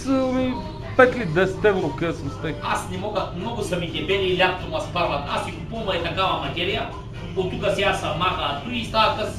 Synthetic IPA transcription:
səmi | pɛt̪lid̪ɛsɛ̥t̪ɛvɾokɛsnst̪ɛasnɛmɔɡəxmnɔɡʊsɐmit̪ɛbɛlilʲak̪t̪omɐspaɾvɐt̪asikupumɐjt̪ɐkavɐmɐt̪ʲɛɾijɐ | ot̪ːukəsjasɐmaxɐt̪uist̪aɐkəs

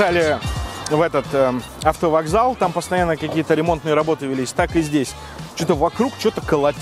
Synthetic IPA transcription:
alʲɪ | vɛt̪ət̪ə | ɐft̪əvɐɡzalˠt̪ampəst̪ɐjanːəkɐkʲijət̪əɾʲɪmo̞nt̪nɨjəɾɐbo̞t̪ɨvʲɪlʲisʲt̪akɨzʲdʲesʲ | t͡ɕut̪əvɐkɾukt͡ɕo̞t̪əkəlˠɐ

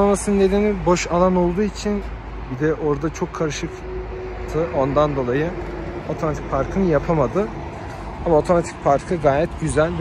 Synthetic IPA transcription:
amasɯnnːe̞d̪enibo̞ʃalˠano̞lˠd̪uːit͡ʃʰin | bid̪ɛʔo̞ɾd̪at͡ʃʰo̞kʰːaɾɯʃɯk | t̪ʰɯʔo̞nd̪and̪o̞lˠajɯ | o̞t̪ʰomat̪ʰi̥c̚ʲpʰaɾkʰɯnɯjapʰamad̪ɯ | amao̞t̪ʰo̞mat̪ʰi̥c̚pʰaɾkʰɯɡaːjɛt̪ɟyzælʲ

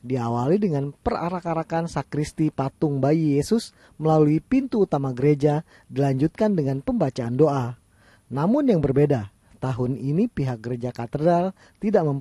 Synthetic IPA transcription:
diawalidəŋanpəra̰ɾakaɾakansakɾist̪ipat̪ʊŋbaijesʊs | məlaluipint̪uːt̪amaɡəɾed͡ʒa | dilaɲd͡ʒut̪̚kandəŋanpəmbat͡ʃaːndoʔa | namʊnjaŋbərbeda | t̪aɦʊninipiɦak̚ɡəɾed͡ʒakat̪ədal | t̪idaʔməm

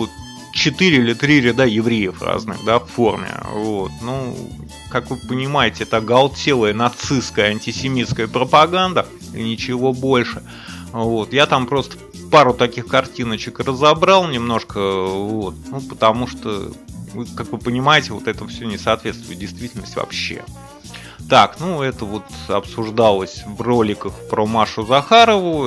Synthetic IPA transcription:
ot̪ | t͡ɕɪt̪ɨɾʲɪilʲɪt̪ɾʲiɾʲɪd̪ajɪvɾʲejəfra̰znɨ̰ɣd̪affo̞rmʲɪ̰vo̞t̪nu | kakvɨpənʲɪmajɪtʲɪɛt̪əɡɐlˠtʲelˠəjənɐt̪sɨskəjəɐnʲtʲɪsʲɪmʲit̪skəjəpɾəpɐɡand̪ə | ḭnʲɪt͡ɕɪvo̞bo̞lʲʂɨ | vo̞t̪jat̪ampɾo̞st̪ə̥ | paɾʊt̪ɐkʲixkɐrtʲinət͡ɕɪkrəzɐbɾɑlˠnʲɪmno̞ʂkəvo̞t̪nupə̥t̪ɐmuʂt̪o̰vɨkakvɨpənʲɪmajɪtʲɪvo̞̰t̪ɛt̪əfsʲonʲɪsɐːt̪vʲe̞t̪st̪vʊ̰jɪt̪dʲɪjst̪vʲitʲɪlʲnəstʲvɐ̰pɕːe̞̰ | t̪aknuɛt̪əvo̞t̪ɐpsʊʐd̪alˠəsʲvro̞lʲɪkəxpɾomaʂʊzɐxaɾəvʊ

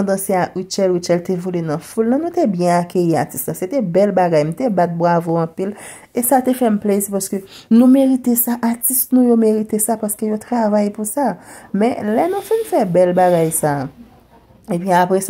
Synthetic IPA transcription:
d̪ɐ̃seaiʃɛliʃɛlt̪evolenɐ̃fulnɐ̃nũt̪ebjɛ̃akʰøjiat͡si̥st̪lãset̪ɛbɛlbaɡajmũt̪ebat̪̚bʁavoɐ̃pil | esat̪efɛm̩plezipaskønũmeʁit̪esaʔatist̪nũjomeʁit̪esapaskøjot̪ʁavajpusamɛ̃lɛnũfinfɛbɛlbaɡajsaː | epɥiapʁɛs

